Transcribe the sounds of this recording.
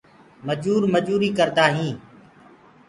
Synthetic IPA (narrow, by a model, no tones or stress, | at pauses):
məd͡ʒuːɾməd͡ʒuːɾiːkəɾt̪aːɦĩː